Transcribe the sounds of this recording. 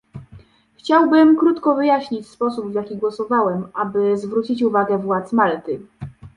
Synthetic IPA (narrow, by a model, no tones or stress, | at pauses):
xt͡ɕawbɘmkɾut̪kɔvɘjaɕɲit͡ɕspɔsubvjakʲiɡwɔsɔvawɛmʔabɘzvɾut͡ɕit͡ɕuvaɡɛvwat̪smalt̪ɘ